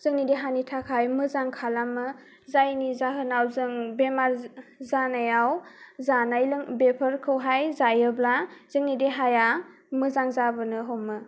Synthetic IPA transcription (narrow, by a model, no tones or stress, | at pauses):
z̥ɯŋnideɦanitʰakʰajmɯzaŋkʰalamɯ | zajnizaɦɯnawzɯŋbemaɾzanajawzanajlɯŋbepʰəɾkʰɯwɦajzajɯblaz̥ɯŋnideɦaja | mɯzaŋzabɯnɯɦomːɯ